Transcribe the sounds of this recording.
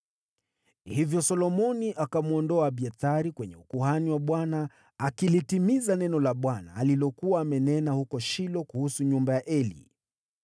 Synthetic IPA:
hivjɔsɔlɔmɔniʔakamuɔndɔaɓiaθaɾikwɛɲɛukuhaniwaɓwana | akilitimizanɛnɔlaɓwana̰ːlilɔkuwaːmɛnɛnahukɔʃilɔkuhusuɲumbajaʔɛlḭ

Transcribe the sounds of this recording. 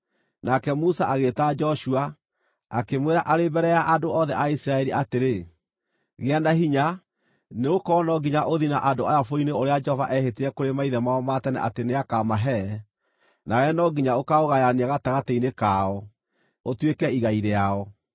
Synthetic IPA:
nakɛmusaʔaɣetad͡ʒɔʃua | akemweɾaʔaɾebɛɾɛjaʔadoɔðɛʔaisɾaɛɾiʔateɾe | ɣeanaɦiɲa | neɣokɔnɔɡiɲaʔoðinaʔandoajafoineoɾead͡ʒɛhɔvaʔɛheteɾɛkoɾemaiðɛmaɔmatɛnɛ̰ʔateneakamaɦɛ | nawɛnɔɡiɲaokaoɣajaneaɣataɣatɛinekaɔ | otwekɛiɣaiɾeaɔ

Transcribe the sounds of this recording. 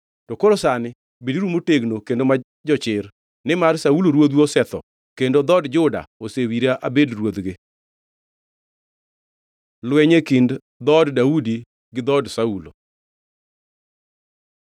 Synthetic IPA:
tɔkoɾosanɪ | bidiɾumoteɡnokendoma | d͡ʒɔt͡ʃɪr | nɪmarsauloɾwod̪wɔsɛt̪ɔ̰ | kendod̪ɔdd͡ʒʊda̰osewiɾaʔabedrwod̪ɡe | lwɛɲekind | d̪ɔddaudi | ɡɪd̪ɔdsaulo̰

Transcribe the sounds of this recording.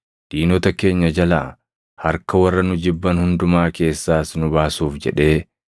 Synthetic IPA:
d̪̥iːnɔt̪ɐke̞ːɲːɐd͡ʒɐla̰ː | hɐɾkɐwɐrːɐnʊd͡ʒɪbːɐnhʊnd̪ʊmaːke̞ːsːaːsnʊbaːsuːfd͡ʒɛ̰ᶑe̞ː

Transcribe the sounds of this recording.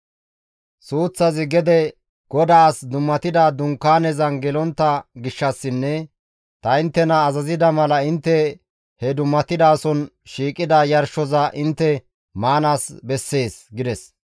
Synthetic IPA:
suːt͡sːɐzɪɡɛd̪ɛ | ɡ̥ɔd̪aːsd̪ʊmːɐt̪ɪd̪ad̪ʊŋkːaːnɛzɐnɡɛlɔnt̪ːɐɡɪʃːɐsːɪnːɛ | t̪ɐɪnt̪ːɛnɐːzɐzɪd̪ɐmɐlɐɪnt̪ːɛ | hɛd̪ʊmːɐt̪ɪd̪aːsɔn | ʃiːkʼɪd̪ɐjɐɾʃɔzɐʔɪnt̪ːɛ | maːnaːsbɛsːe̞ːsɡɪd̪ɛs

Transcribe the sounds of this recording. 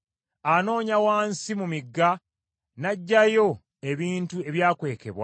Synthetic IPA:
ano̞ːɲawaːnsimumiɡːa | naɟːajo̞ | e̞βiːntue̞βjaːkwe̞ːke̞̰βwa̰

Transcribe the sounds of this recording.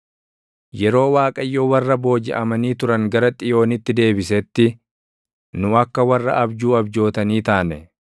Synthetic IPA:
jɛɾo̞ːwaːkʼɐjːowɐrːɐbo̞ːd͡ʒɪ̰ʔɐmɐniːt̪ʊɾɐŋɡɐɾɐt̪ʼɪjo̞ːnɪt̪ːɪd̪e̞ːbɪsɛt̪ːɪ | nʊɐkːɐwɐrːɐ̰ʔɐbd͡ʒuːɐbd͡ʒo̞ːt̪ɐniːt̪aːnɛ

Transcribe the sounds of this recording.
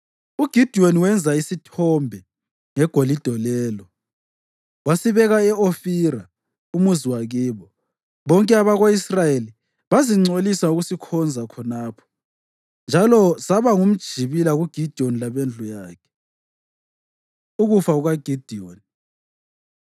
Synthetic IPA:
uɡ̥ʱid̥ʱioniwɛnd͡zʱaisitʰɔmbʱɛ | ŋɛɡ̥ʱolid̥ʱɔlɛːlɔ | wasiβɛɣaɛofiɾa | umuziwaɣiːβɔ | βɔŋkʼɛaβaɣoisrajeli | βaziŋ͡ǀolisauɣusikʰɔnd͡zʱakʰɔnaːpʰɔ̥ | nd͡ʒʱalɔsaβaŋum̩d̥ʒ̥ʱiβilaɣuɡ̥ʱid̥ʱionilaβend͡ɮʱujaːkʰɛ̥ | uɣufauɣaɡ̥ʱid̥ʱioni

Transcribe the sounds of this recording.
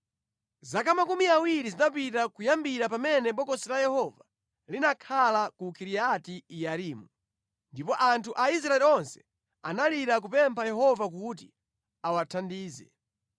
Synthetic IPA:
zakamakumiawiɾizinap̬itakujambiɾapamɛnɛɓɔkɔsɛlajɛhɔva | linakʰalakukiɾiatiijaɾiːmu | ndipɔʔantʰuʔais̬ɾaɛliɔnsɛ̥ | a̰naliɾak̬upɛmpʰajɛɦɔvak̬ut̬ḭ | awatʰandiːzɛ̰

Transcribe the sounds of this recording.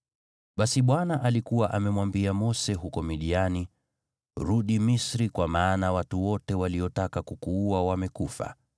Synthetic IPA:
ɓasiɓwanaʔalikuwaʔamɛmwambiamɔsɛɦukɔmiɗiani | ɾuɗimisɾikwamaːnawatuwɔtɛwaliɔtakakukuːawamɛkufa̰

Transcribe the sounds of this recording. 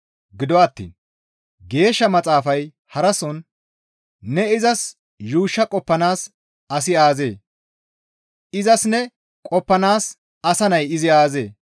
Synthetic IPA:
ɡɪd̪ɔɐt̪ːḭːn | ɡe̞ːʃːɐmɐt͡sʼaːfɐj | hɐɾɐsɔn | nːɛɪzɐs | juːʃːɐkʼɔpːɐnaːs | ɐs̬ɪaːze̞̰ː | ɪzɐsnɛ | kʼɔpːɐnaːs | ɐsɐnɐjɪzɪaːze̞ː

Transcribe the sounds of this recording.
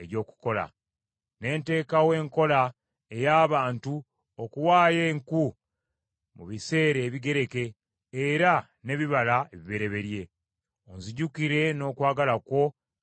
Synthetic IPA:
eɾjo̞ːku̥ko̞la̰ | ne̞ːnte̞ːkawe̞ːŋko̞la | ejaːβaːntu | okuwaːje̞ːŋku | mṵβise̞ːɾe̞ːβiɡe̞ɾe̞ke̞ː | ɾa | ne̞βiβalaeβiβe̞ɾe̞βe̞ɾje̞ | onziɟukiɾe̞no̞ːkwaːɡalakwo̞

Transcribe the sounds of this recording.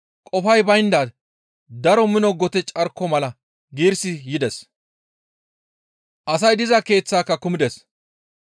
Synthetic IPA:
kʼɔfɐjbɐjnd̪aːd̪ | d̪ɐɾɔmɪnɔɡɔt̪ɛt͡ʃʼɐɾkːɔmɐlɐ | ɡiːɾsɪjɪd̪ɛs | ʔɐsɐjd̪ɪzɐke̞ːt͡sːaːkːɐkʊmɪd̪ɛs

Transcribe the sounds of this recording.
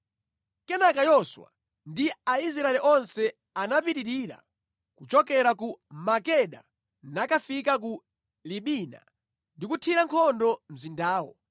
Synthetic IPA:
kɛnakajɔswa̰ | ndiais̬ɾaɛliʔɔnsɛ | anapiɾiɾiːɾa̰ | kut͡ʃɔkɛɾakumakɛɗa̰ | nakafikak̬u | liɓiːna̰ | ndikutʰiɾaŋkʰɔndɔm̩zindaːwɔ̰

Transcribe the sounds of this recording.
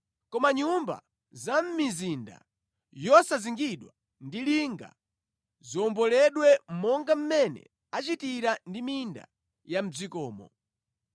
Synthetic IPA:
kɔmaɲumba̰ | zam̩mizinda̰ | jɔsaziŋɡiɗwa | ndiliŋɡa̰ | ziɔmbɔlɛɗwɛm̩mɔŋɡam̩mɛnɛ̰ | at͡ʃitiɾandiminda̰ | jam̩d͡zikɔːmɔ̰

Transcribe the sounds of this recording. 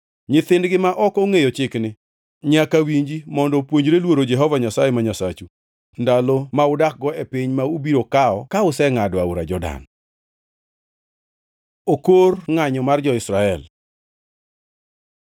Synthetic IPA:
ɲɪt̪ɪndɡɪmaʔɔkoŋejɔt͡ʃɪknɪ | ɲakawiɲd͡ʒimɔndɔpwoɲd͡ʒɾelwoɾod͡ʒɛɦɔvaɲasajemaɲasat͡ʃu | ndalɔmaʊdak̚ɡɔepɪɲmaubiɾokaɔkaʊsɛŋadwauɾa̰d͡ʒɔda̰n | okorŋaɲɔmard͡ʒɔɪsɾaɛl

